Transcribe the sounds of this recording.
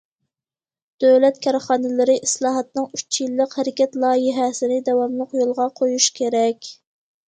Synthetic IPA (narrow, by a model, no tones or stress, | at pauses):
d̪̥øwlɛt̪kʲʰɑɾχɑːnɨlɪɾɪʔislˠɑːɦɑt̪nɨŋyt͡ʃʰjilːəqhæɾɪkʲɛt̪lˠɑːjɪɦɛsɪnɪd̪ɛwɑmlˠəqjolˠʁɑqʰojuʃkʲʰeɾɛkʲ